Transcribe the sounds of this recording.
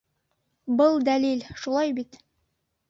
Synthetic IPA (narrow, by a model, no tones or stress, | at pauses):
bɤlˠd̪ælilʃulˠɑjbit̪